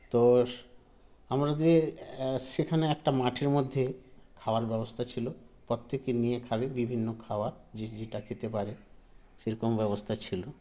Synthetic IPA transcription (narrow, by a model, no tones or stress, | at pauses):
t̪o | amɾad̪iesekʰaneɛkʈamaʈʰeɾmod̪ʱːekʰaoaɾbɛbost̪ʰat͡ɕʰilopot̪ːekiniekʰabebibʱinːokʰaoaɾd͡ʑid͡ʑiʈakʰit̪epaɾe | seɾokombɛβost̪ʰat͡ɕʰilo